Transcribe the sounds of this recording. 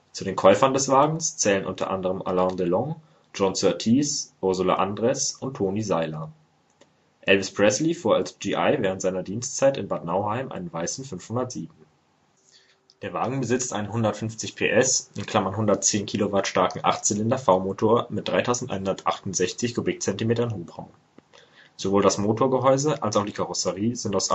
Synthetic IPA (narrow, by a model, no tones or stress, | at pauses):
t͡sudeːnkʰɔʏfɐndɛsv̥aːɡŋ̩st͡sɛːlənʔʊ̰ntʰɐ̰ʔa̰ndəʁəmʔa̰lãʊndelɔŋ | d͡ʒɔnt͡søːɐtʰiːsʔʊɐzʊla̰ʔandʁɛsʔʊntʰːoːnizaɪlɐ | ʔɛlvɪspʁ̥ɛslifuːɐalsd͡ʒiːʔa̰ɪvɛːʁntzaɪnɐdiːnstt͡saɪtɪnbaɐtnaʊhaɪmʔa̰ɪnənvaɪsn̩fʏnfhʊndɐtz̥iːbm̩ | d̥eːɐva̰ːɡŋ̩bəzɪt͡stʔa̰ɪnənhɦʊndɐtfʏnft͡sɪçpʰḛːʔɛsʔɪnkʰl̥amɐnɦʊndɐtt͡seːnkʰiːlovaɐtʃtaɐkŋ̩ʔa̰ʁtz̥ɪlɪndɐfaʊmoːtʰoːɐmɪt̚d̥ʁaɪtʰaʊzn̩tʔaɪnhɦʊndɐtʔa̰χtʊntz̥ɛçt͡sɪçɡ̥obɪk̚t͡sɛntimeːtɐnɦoːbʁa̰ʊm | z̥ovoːldasmoːtʰoːɐɡəɦɔʏzəʔalsaʊxd̥iːkʰaʁʊsəʁiːzɪntaʊs